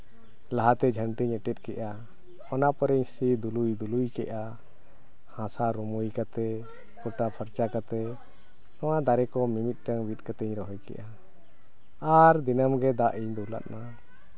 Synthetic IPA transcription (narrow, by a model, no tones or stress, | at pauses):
laɦat̪ɛd͡ʒʱəɳʈiɲɛʈɛt̪̚kɛʔa | ɔnapɔɾɛɲsid̪ulujd̪ulujkɛʔa | hãsaɾumujkat̪ɛ | kɔʈapʰəɾt͡ʃakat̪ɛ | nɔwad̪aɾɛkɔmimit̪̚ˀʈəŋbit̪̚kat̪ɛɲɾɔɦɔjkɛ̰ʔa | aɾd̪inəmɡɛd̪aʔiɲd̪ɔula̰ʔ̪̚na